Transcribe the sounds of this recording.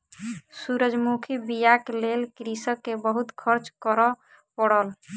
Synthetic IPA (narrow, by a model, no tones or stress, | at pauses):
suɾəd͡ʒmukʰibijaklelkɾisəkːebəɦut̪kʰəɾt͡ʃkɔɾɔ | pɔɽɔl